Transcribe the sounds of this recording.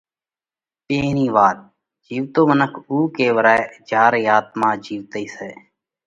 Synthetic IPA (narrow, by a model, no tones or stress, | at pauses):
peːniːʋaːt̪̚ | d͡ʒiːʋt̪oːmənəkʰuːkeːʋəɾaːed͡ʒaːɾjaːt̪mãːd͡ʒiːʋt̪əiːseː